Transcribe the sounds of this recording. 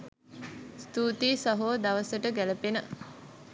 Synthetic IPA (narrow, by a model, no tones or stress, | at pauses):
st̪uːt̪iːsɐɦoʋd̪ɐʋəsəʈəɡæləpenə